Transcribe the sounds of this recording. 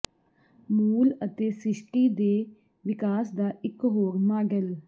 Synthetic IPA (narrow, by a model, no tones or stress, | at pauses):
muːlət̪eːsɪʃʈiːd̪eː | ʋɪkaːsd̪aːʔɪkɦoːɾmaːɡəl